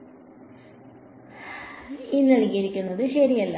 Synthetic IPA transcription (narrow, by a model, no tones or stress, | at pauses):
inːɐliɣɐɾikʲːunːɐðɨɕɐɾijɐlːɐ